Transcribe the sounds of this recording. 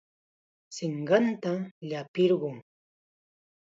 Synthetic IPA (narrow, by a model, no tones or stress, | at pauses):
sɪɴɢɑnt̪aʎapɪɾɢʊŋ